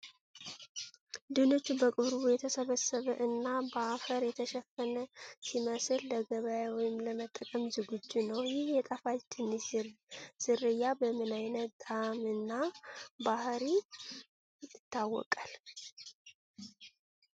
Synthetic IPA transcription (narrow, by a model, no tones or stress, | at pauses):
d̪ɨno̞t͡ʃːubəkʼɨβɾβujɛt̪ʰəsəβəsəβəʔɨnːabəafəɾjɛt̪ʰəʃɛfənəsiməslːəɡəβəjawɔjɪmləmət̪ʼːəkʼəmzɨɡud͡ʒːunəwjɪhjɛt̪ʼafat͡ʃ̪ʰɨnːɨ | z̥ɨrːɨjːabəmɨnajnət̪d̪ʰamɨnːabahɾi | ɨt̪ːawːɔ̰kʼal